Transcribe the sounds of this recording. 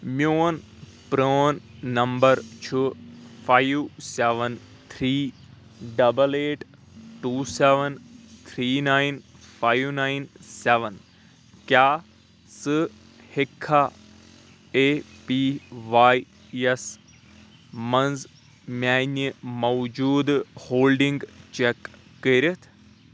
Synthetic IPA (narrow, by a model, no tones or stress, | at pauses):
mjoːn | pɾoːnːɐmbəɾt͡ʃʰufaiseʋən | t̪ʰɾiː | ɖɐbəleːʈ | ʈuːseʋənt̪ʰɾiːnaːinfaːjʋnaːinseʋən | kjaː | sɨ | hekʰːa | epiʋaːj | ɛs | mɐnz | mʲaːnimɐwd͡ʒuːd̪hoːlɖiŋɡt͡ʃɛkː | əɾət̪ʰ